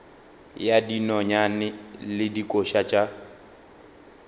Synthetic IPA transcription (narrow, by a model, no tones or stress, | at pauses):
jadinɔɲanɪlɪdikʼoʃat͡ʃʼa